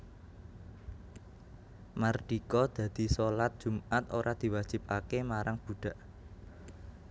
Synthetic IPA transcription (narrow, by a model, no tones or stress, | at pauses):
marɖ̪̥ikɔd̪̥ä̤d̪̥i̤solat̪̚d̥ʒ̥ṳmat̪oɾʔad̪̥i̤wad̥ʒ̥i̤p̚akemaɾaŋb̥uɖ̥a̤ʔ